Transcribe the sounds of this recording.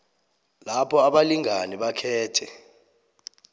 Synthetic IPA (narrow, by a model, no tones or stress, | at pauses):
lapʰɔaɓaliŋʱaniɓakʰɛːtʰɛ